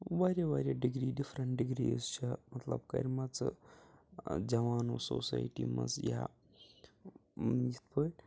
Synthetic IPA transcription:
ʋaːɾʲjaʋaːɾʲjaɖiɡɾiːɖifʰɾɐɳʈɖiɡɾist͡ʃʰɐmɐt̪lɐ̰b̚kɐ̰ɾʲmɐt͡sɨ̰ | d͡ʒɐʋaːnoːso̰ːsa̰jʈḭmɐ̰zja̰ | it̪̚pəːlʲ

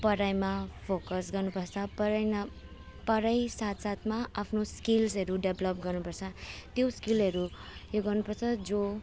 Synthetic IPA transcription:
pʌɾajmapʰokʌsɡʌrnupʌrt͡sʰʌpʌɾʌjnʌ | pʌɾʌjsat̪sat̪ʰmaapʰnoskilsʌɾuɖʌblʌp̚ɡʌrnupʌrt͡sʰʌt̪joskilɦʌɾujoɡʌrnupʌrt͡sʰʌd͡zo

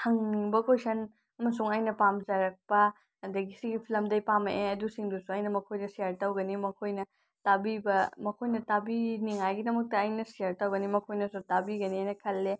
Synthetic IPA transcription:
hɐŋniŋbɐkojsʰɐn | ɐmɐs̬uŋajnɐpamzɐɾɐk̚pɐ | dɐɡisiɡipʰilɐmdɐjpameʔeɐdusiŋdusuajnɐmɐkʰojdɐsijaɾtɐwɡɐnimɐkʰojnɐ | tabibɐmɐkʰojnɐtabiniŋajɡidɐmɐk̚tɐːjnɐsijaɾtɐwɡɐnimɐkʰojnɐsutabiɡɐniajnɐkʰɐlːe

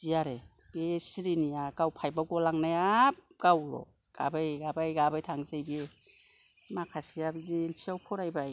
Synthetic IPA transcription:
z̥ijaɾe | besiɾinijaɡawpʰajbaɡɔlaŋnajap̚ɡ̥awɾɔ̰ | ɡ̥a̰bajɡabajɡabajtʰaŋzejbie | makʰasijabiziːlpʰiawpʰɔɾajbaj

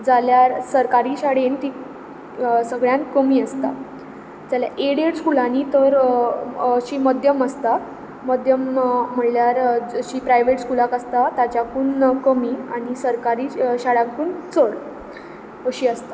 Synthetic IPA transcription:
d͡zaljaɾsəɾkaɾiːɕaɽent̪iː | səɡɭjãnkəmiːəst̪a̰ | d͡zaljaʔeɽieʈskulanit̪əɾ | əɕiːməd̪ʱjəməst̪a | məd̪ʱjəm̤ːəɳljaɾɕiːpɾajʋeʈskulakəst̪at̪at͡ɕjakuːnkəmiːaɽ̃isəɾkaɾiːɕaɽakuːnt͡səɽ | əɕiːəst̪ḁ

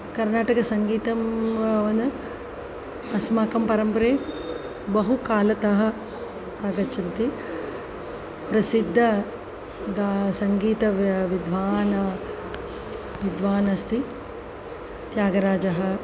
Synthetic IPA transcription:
kɐɾnaːʈɐkɐsɐŋɡiːt̪ɐmʋɐnu | ɐsmaːkɐmpɐɾɐmpɾeː | bɐɦukaːlɐt̪ɐɦɐ̆ | aːɡɐt͡ʃɐnt̪i | pɾɐsid̪ʱːɐ | ɡasɐŋɡiːt̪ɐʋid̪ʱʋaːnɐ | ʋid̪ʋaːnɐst̪ʰi | t̪jaːɡɐɾaːd͡ʒɐɦɐ̆

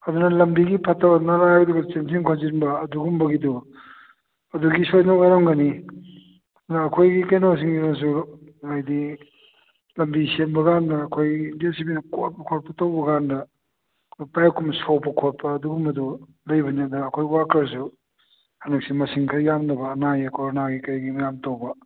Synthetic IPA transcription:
ɐd̪unɐlɐmbiɡipʰɐtɐnaɾajɡɐduɡɐt͡ʃensiŋkʰonzinbɐːduɡumbɐɡidu | ɐduɡisojnokaɾamɡɐni | ɐd̪unɐːkʰojɡikɐjnɐmɐs̬iŋɡiɾans̬uajdi | lɐmbisembɐɡandɐːkʰojindiasibinɐkot̚pɐkʰot̚pɐtɐwbɐɡandɐ | kʰpajkːumsowpɐkʰot̚pɐːduɡumɐdu | lɐjbɐniɐdɐːkʰojwakɾs̬u | hɐnɐk̚simɐsiŋkʰɾjamnɐbɐːnajɐkoɾonaɡikɐjɡimajamtowbɐ

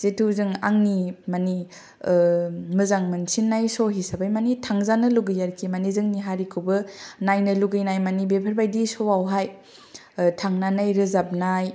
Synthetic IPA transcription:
z̥etʰuzɯŋa̰ŋnimani | mɯzaŋmɯnsinːajsoɦisabajmanitʰaŋzanɯluɡɯjaɾkʰimanizɯŋniɦaɾikʰɯbɯnajnɯluɡɯjnajmanibepʰəɾbajdisɔwawɦaj | tʰaŋnanajɾɯzap̚naj

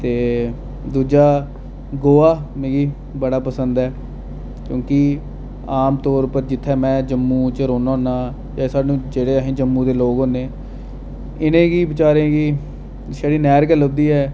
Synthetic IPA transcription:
t̪eː | d̪uːd͡ʒaː | ɡoːaːmẽːɡiː | bəɽaːpəsənd̪ɛː | kjõːkɪ | aːmt̪ɔːɾpəɾd͡ʒɪt̪ʰːɛːmɛ̃ːd͡ʒəmːũːt͡ʃəɾoːnãːnaː | d͡ʒãːsaːɖnũːd͡ʒeːɽeːəɦĩːd͡ʒəmːũːd̪eːloːɡoːneː | ɪnẽːɡiːbɪt͡ʃaːɾẽːɡiː | saːɽiːnɛːɾɡələbd̪iːɛː

